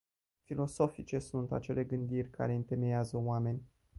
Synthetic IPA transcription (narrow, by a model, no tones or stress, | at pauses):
filo̞so̞fit͡ʃe̞sunt̪a̰t͡ʃe̞le̞ɡɨnd̪irʲka̰ɾe̞ɨnt̪e̞me̞jazəoame̞nʲ